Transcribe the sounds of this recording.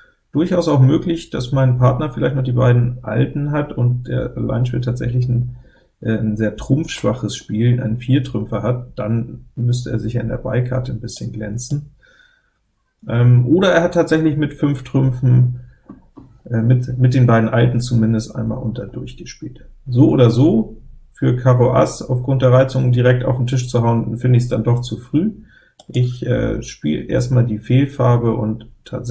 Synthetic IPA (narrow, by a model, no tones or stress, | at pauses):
d̥ʊɐçʔaʊsaʊxmøːklɪçd̥asmaɪnpʰaɐtnɐfɪlaɪçtnɔχd̥iːbaɪdn̩ʔa̰ltn̩ɦatʊnt̚d̥ḛːɐala̰ɪnʃpiːtʰaːtz̥ɛ̰çlɪç | ʔɛːnzeːɐtʁ̥ʊmfʃv̥a̰χəsʃpiːlʔa̰ɪnfiːɐtʁ̥ʏmfɐɦat̚d̥anmʏstəʔeːɐzɪçaːɪndḛːɐba̰ɪkʰa̰ɐtən̩bɪsçənɡlɛnt͡sn̩ | ʔɛːmʔoːɾɐeːɐhatʰːaːtz̥ɛçlɪçmɪtfʏnftʁ̥ʏmfn̩ | ʔɛmɪtmɪt̚d̥eːnbaɪdn̩ʔaltn̩t͡sumɪndəstʔa̰ɪnma̰ːlʔʊntɐdʊɐçɡ̥əʃpiːltzoːʔoːdɐzoːfyːɐkʰaʁoʔa̰saʊfɡ̥ʁʊnt̚d̥eːɐʁaɪt͡sʊŋdiːʁ̞ɛk̚ta̰ʊfn̩tʰɪʃt͡suɦaʊənfɪndəɪçsd̥andɔχt͡sufʁ̥yː | ʔɪçʔɛ̰ːʃpḭːlʔḛːɐstmaːldiːfeːlfaɐbəʔʊ̰ntʰːa̰ːt